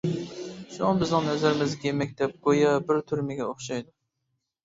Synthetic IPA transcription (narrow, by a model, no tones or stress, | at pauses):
ʃuŋɑbɪznɨ̃ŋnɛzɪɾɪmɪzɡʲemɛkʲd̪ɛp̚ɡ̥ojɑbɪɾt̪ʰyɾmɪɡʲɛoχʃɑjd̪u